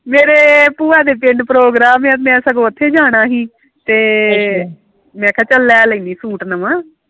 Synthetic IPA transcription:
meːɾeːpuːaːd̪eːpɪɳɖpɾoːɡɾaːmɛ̃ːmɛ̃ːsəɡoːət̪ʰːeːd͡ʒaːɽ̃aːɦiː | t̪eː | mɛ̃ːkʰɛ̃ːt͡ʃəlːɛːləiːniːsuːʈnəmaː

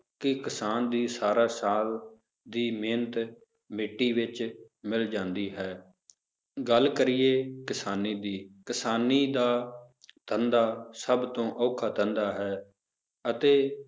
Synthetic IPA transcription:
kɪkɪsaːnd̪iːsaːɾaːsaːl | d̪iːmeːnt̪ | mɪʈːiːʋɪt͡ʃ | mɪld͡ʒãːnd̪iːɦɛː | ɡəlkəɾɪiːeːkɪsaːniːd̪iːkɪsaːniːd̪aː | t̪ʰənd̪aːsəbt̪õːʔɔːkʰaːt̪ə̃nd̪aːɦɛː | ət̪eː

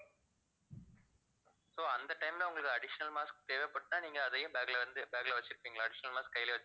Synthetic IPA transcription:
soːɐnd̪ɐʈːɐɪmɪlãʊŋɡɐɭɯkːɯɐɽɪʂɐnɐlmaːsk̚t̪eːʋeːpːɐʈːɯnaːniːŋɡɐːðɐjʊ̃baːɡlɐʋɐnd̪ɯbaːɡlɐʋɐt͡ʃːɪɾɯpːiːŋɡɐɭaːɐɽɪʂɐnɐlmaːskːɐjɪleʋt͡ʃː

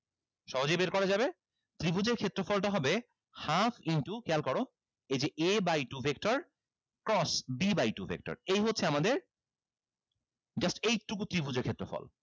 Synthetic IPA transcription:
ʃɔɦod͡ʑejbeɾkɔɾad͡ʑabe | t̪ɾibʱud͡ʑeɾkʰet̪ːɾofɔlʈaɦɔbe | hafiɳʈukɛlkɔɾo | ed͡ʑeʔebajʈubʱek̚ʈoɾ | kɾɔsbibajʈubʱḛk̚ʈo̰ɾejɦotːʰeamad̪eɾ | d͡ʑasʈejtɾukut̪ɾibud͡ʑeɾkʰet̪ːɾofɔ̰l

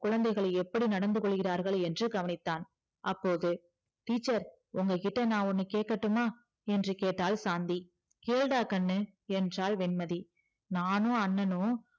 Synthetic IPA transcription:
kʊɻɐnd̪ɐɪɣɐɭɐɪɛpːɐɽinɐɽɐnd̪ɯkɔɭːɯɣɪraːɾɣɐɭɛndrɯɡɐʋɐnɪt̪ːaːn | ʔɐpːoːðɯ | t̪iːt͡ʃːɐɾ | ʊŋɡɐkɪʈːɐnãːʊnːɯkeːʈ̚kːɐʈːɯmaː | ɛndrɯkeːʈːaːlsaːnd̪i | keːɭɽaːkɐnːɯ | ɛndraːlʋɛnmɐði | naːnõːɐnːɐnoː

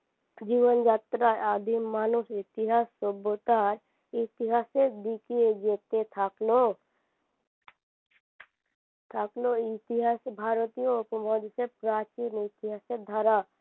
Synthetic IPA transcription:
d͡ʒiːʋənd͡ʒaːt̪ɾaaːd̪ʱimːaːnʊsɪt̪ɪɦaːsːobot̪aɾ | ɪt̪ɪɦaːsed̪ikied͡ʒeːt̪et̪ʰaklo | t̪ʰaːkloɪt̪ɪɦaːsbʱaːɾt̪ijoʊpəmɔd̪sepɾaːt͡ʃinɪt̪ɪɦaːsed̪ʱaɾa

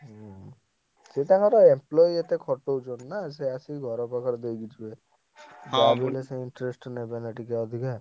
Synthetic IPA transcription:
set̪akɔɾɔemplɔiet̪ekʰɔʈːod͡ʒɔnːas̬easiɡʱɔɾɔpakʰɔɾd̪ejɡid͡ʒʰue | babilesẽiɳʈɾesʈnebenaʈikaɔd̪ʱikaɾ

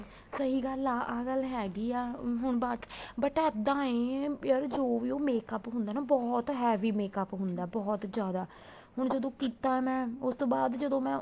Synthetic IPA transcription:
səɦiːɡəlaːaːɡəlɦɛːɡiːɛːɦʊɳ̃bat̪bəʈəd̪ãːẽːjəɾd͡ʒoːʋiːoːmeːkəpɦʊ̃nd̪aːnaːbɔːt̪ɦɛːʋiːmeːkəpɦʊnd̪aːbɔːt̪d͡ʒjaːd̪aː | ɦʊɳ̃d͡ʒəd̪õːkiːt̪aːmɛ̃ːʊst̪õːbaːd̪d͡ʒəd̪õːmɛ̃ː

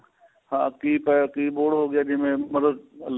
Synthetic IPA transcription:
hã̰ːkiːpaːkiːboːɽɦoːɡɪjaːd͡ʑɪ̃ɦmẽmɐd̪əd̪l

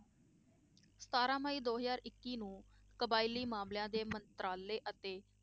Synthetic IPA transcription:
sə̥t̪aːɾãːməiːd̪oːɦəzaːɾɪkːiːnũː | kəbaːiliːmaːmljãːd̪eːmənt̪ɾaːlːeːʔət̪eː

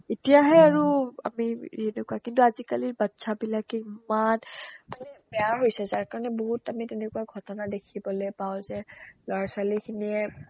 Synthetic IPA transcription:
etijaɦɛaɹua̰mienekuakintuazikaliɹbatsabilakɛimankunɛbɛjaɦojsɛzaɹkaɹɔnɛboɦutamitɛnɛkuaɡʱɔtɔnadekʰibɔlojpaʊzɛlɔɹasalikʰiniɛ

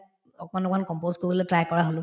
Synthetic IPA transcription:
ɔkmanɔkʰɔnkɔmpozkoɹibɔlotɹajkɔɹaɦolʊ̃

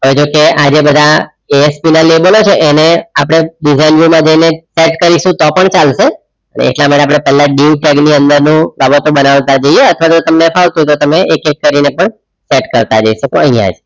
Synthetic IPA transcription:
ɦojd͡ʒokead͡ʒebəd̪ʱa | eespinalebəlot͡ʃʰeʔeneapəɽ̃eɖizainʋumãd͡ʒəineseʈkəɾiʃũt̪ɔpəɳt͡ʃalʃe | ənḛḛʈlamaʈeapɽ̃epɛɦlaɖiuʈɛɡniənd̪əɾnũbabət̪ũbənaʋt̪ad͡ʒəieət̪ʰʋat̪ot̪əmnefʰaʋt̪ut̪ot̪əmeʔekekːəɾinepəɳ | seʈkəɾt̪ad͡ʒəiʃəkoəɦĩjã̰d͡ʒ

